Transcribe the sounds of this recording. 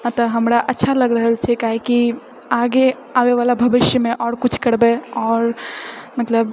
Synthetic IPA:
ãt̪əɦəmɾaʔətːʃʰaləɡɾəɦəlt͡ʃʰɛkaɦiki | aɡe | aʋeʋalabʱəʋɪʃjəmẽʔɔːɾkut͡ʃʰkəɾbeɔːɾmət̪ləb

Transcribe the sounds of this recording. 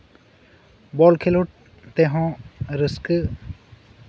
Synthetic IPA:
bɔlkʰeloʈ̚ | t̪ɛɦɔ̃ɾəskɨ

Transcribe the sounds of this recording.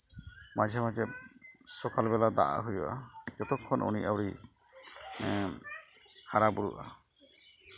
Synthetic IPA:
mad͡ʒʱjamad͡ʒɛsɔkalbɛlad̪a̰ʔa̰ɦujɔ̰ʔa̰kɛt̪ɔkʰːɔnʔṵniʔawɾi | kʰaɾabuɾṵʔa̰

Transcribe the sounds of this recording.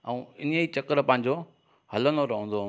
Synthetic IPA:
ɛ̃ũɪnəit͡ɕɐkəɾpɐ̃ɦɪ̃ɲ̆d͡ʑo | hɐlənoɾɐɦə̃nd̪o

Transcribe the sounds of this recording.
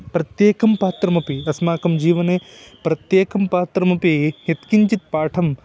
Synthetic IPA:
pɾɐt̪jeːkʰɐmpaːt̪ɾɐmɐpiɐsmaːkɐmd͡ʒiːʋɐne | pɾɐt̪jeːkɐmpaːt̪ɾɐmɐpijɐt̪kiɲt͡ʃit̪̚paːʈʰɐm

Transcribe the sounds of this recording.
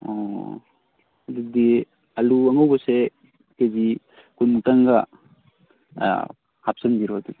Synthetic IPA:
ɔ̰ | ɐd̪uk̚d̪i | ɐluɐŋawbɐse | kezi | kujmutaŋɡa | hap̚sɐndiɾɔɐd̪uk̪̚i

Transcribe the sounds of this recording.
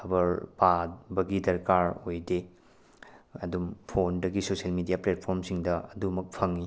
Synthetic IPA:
ɐbɐɾpabɐɡidɐɾkaɾojde | ɐdumpʰondɐɡisosielmidijaplet̚pʰoɾmsiŋdɐɐdumɐk̚pʰɐŋi

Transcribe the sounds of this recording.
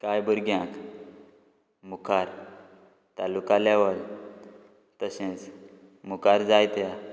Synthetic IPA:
kajbəɾɡjãk | mukʰaɾ | t̪alukalɛʋəl | t̪əsẽt͡s | mukaɾd͡zajt̪ja

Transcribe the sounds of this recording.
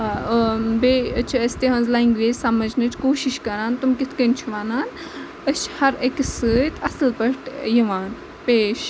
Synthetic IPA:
beːɐt͡ʃʰɐsʲt̪eɦɐ̃nzlaːŋɡʋeːzʲsɐmɐd͡ʒnɨt͡ʃʰkoːʃiʃkɐɾaːnt̪umkit̪ʰkɐnt͡ʃʰuʋaːnaːn | ɐt͡ʃʰhɐɾeksɨːt̪ʰɐslpɐʈjiʋaːn | peːʃ

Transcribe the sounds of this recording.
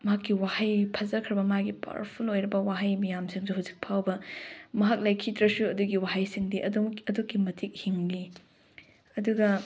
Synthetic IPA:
mɐɦakːiwahajpʰɐzɐkʰɾɐbɐmaɡipa̰ɾpʰulojɾɐbɐwaɦajmijamsiŋsuɦawzik̚pʰawbɐmɐɦak̚lajkʰidɾɐsuɐduɡiwaɦajsiŋdiʔɐɐdukːimɐtʰik̚hiŋli | ɐduɡɐ

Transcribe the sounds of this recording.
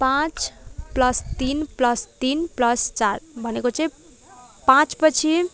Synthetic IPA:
pãt͡splʌst̪inplʌst̪inplʌst͡ʃaɾbʱʌnekot͡sʌ | pãt͡spət͡ʃʰi

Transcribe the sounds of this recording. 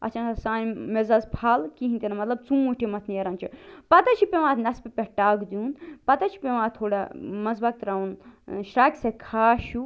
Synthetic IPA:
ɐ̰t͡ʃʰansɐsãːjmezɐzpʰaːlkiɦĩnt̪inɐmɐt̪lɐb̚t͡sũuʈʰimɐt̪ʰnijɐɾɐnt͡ʃʰipɐt̪ɐt͡ʃʰipeʋãːt̪ʰnɐspepʲeʈaːɡd̪iunpɐt̪ɐt͡ʃʰi̥pʲeʋãːt̪ʰoːɽamɐzbak̚t̪ɾaːunʃɾaːkʲsekʰaːʃu

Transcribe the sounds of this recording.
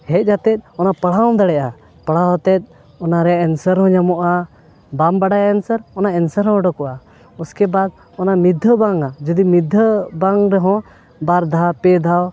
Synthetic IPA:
hɛc̚ˀhat̪ɛt̪̚ˀɔnapəɽaɔ̃d̪aɽɛʔa | pəɽ̤aɦɔt̪ɛt̪̚ˀ | ɔnaɾɛaʔɛnsəɾɦɔ̃ɲamɔʔa | bambaɖajaɛnsəɾɔnaɛnsəɾɦɔ̃ɖɔkɔʔa | ɔskɛbad̪̚ | ɔnamid̪ʱːəbaŋad͡ʒud̪imid̪ʱːəbaŋɾɛɦɔ̃ | baɾd̪ʱapɛd̪ʱaw

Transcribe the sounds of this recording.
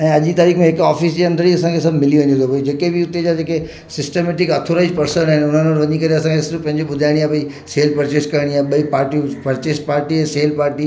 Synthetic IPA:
ɛ̃ːɐʄit̪aːɾiːkʰmẽekɔːfisd͡ʑeɐ̃nd̪əɾiɐsãŋkʰesɐbʱmɪliʋɐ̃ɲd̪et̪opoid͡ʑeːkebɪʊt̪ed͡ʑad͡ʑeːke | sɪsʈemeːʈ̬ɪkɐt̪ʰoɾaːɪid͡ʑpɐɾsənaɦɪ̃nʊn̤ənəɾʋɐɲĩkɐɾeɐsãkʰesɪɾbpɐ̃ɦɪ̃ɲd͡ʑoɓʊd̪ʱaɪɽ̃iaːɓɐi | seːlpɐɾt͡ɕeskɐɾɽ̃iaːɓɐipaːɾʈipɐɾt͡ɕespaːɾʈiɛseːlpaːɾʈi

